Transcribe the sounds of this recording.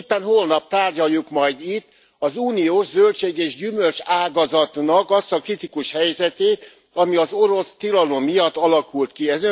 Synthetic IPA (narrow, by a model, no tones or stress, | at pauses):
pːɛnhoːlnɒp̚t̪aːrɟɒjːukmɒjd̪it̪ː | ɒzuːnioːʒzølt͡ʃeːɡeːʒɟymølt͡ʃaːɡɒzɒt̪nɒkɒst̪ɒkrit̪ikuʃhɛjzɛt̪eːt̪ | ɒmiɒzo̞ɾo̞st̪ilɒlo̞mːijɒt̪ːɒlɒkult̪kiɛzø